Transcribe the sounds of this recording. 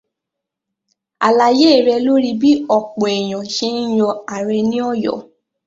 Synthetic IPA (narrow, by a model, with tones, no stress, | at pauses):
a̰˨la˧je˦˨ɾɛ˧lo˦ɾi˧bi˦ɔ˦˨k͡pɔ̃˨ɛ˨j̃ɔ̃˨ʃe˦n̩˦jɔ˧a˨ɾɛ˧nĩ˦ɔ˦˨jɔ̰˨˦